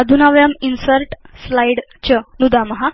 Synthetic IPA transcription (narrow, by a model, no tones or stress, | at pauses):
əd̪ʱunaʋjaminsəɾʈslajɽ | t͡ɕənud̪aməɦa